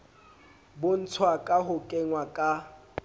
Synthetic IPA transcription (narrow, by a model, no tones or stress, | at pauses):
bʊn̩t͡sʰwakʼaɦʊkʼɛŋwakʼa